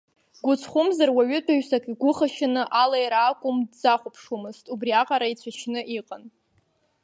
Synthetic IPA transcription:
ɡʷʊt͡sʰχʷʊmzarwaɥʏtʷʰʼaʒsakʼiɡʷʊχaʃɪnɨʔalajɾaːkʷʼʊmdd͡zaχʷʊpʰʂumɨstʼubriaqʼaɾait͡sʷʰat͡ʃʰnɨʔiqʼan

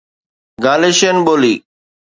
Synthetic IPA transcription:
ɡaːleʃenɓoːliː

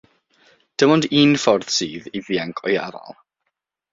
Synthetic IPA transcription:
d̥əmɔndiːnfɔrð̥siːðiðiaŋkʰɔja̰va̰lˠ

